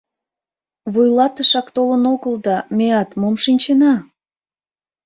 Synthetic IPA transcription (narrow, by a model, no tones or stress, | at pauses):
βujlɑt̪əʃɑkt̪olənoɣəld̪ɑmeɑt̪momʃinʲt͡ɕenɑ